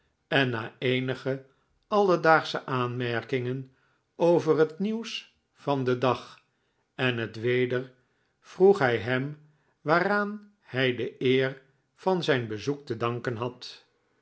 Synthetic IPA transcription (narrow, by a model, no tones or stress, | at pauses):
ɛnːaːejnəχə | ɑlˠədaːχsəʔaːnmɛɹkɪŋən | owvərɦətniws | fɑndədɑχ | ɛnɦətʋejdəɹ | v̥ruχɦɛjɦɛm | ʋaːraːn | hɛjdəɪːɹ | v̥ɑnzɛjnbəzuk̚tədɑŋkənɦɑt